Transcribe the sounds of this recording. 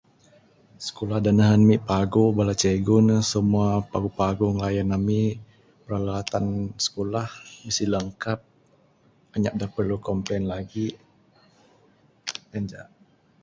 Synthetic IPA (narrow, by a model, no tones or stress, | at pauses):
sə̥kolahdanəɦənmiʔpaɡobalat͡ʃeɡʊnsəmuapaɡupaɡuŋlajanami | pəɾalaat̪ansə̥kolahmisiləŋkap̚ | aɲak̚dahpərlukɔmplɛnlaɡi | and͡ʒaʔ